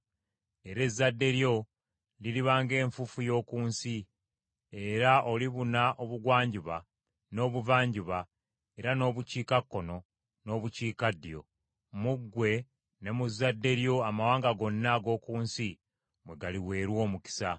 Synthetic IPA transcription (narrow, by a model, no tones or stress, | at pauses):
e̞ɾe̞zːadːe̞ɾjo̞ | liliβaːŋɡe̞ːɱfufujo̞ːkuːnsi | e̞ɾaʔo̞liβunaʔo̞βuɡwaːɲɟuβa | no̞ːβuvaːɲɟuβa | e̞ɾano̞ːβuciːkakːo̞no̞ | no̞ːβuciːkadijo̞̰ | muɡːwe̞ | ne̞muzːadːe̞ɾjo̞amawaːŋɡaɡo̞nːaɡo̞ːkuːnsi | mwe̞ɡaliwe̞ːɾwo̞ːmuki̥sa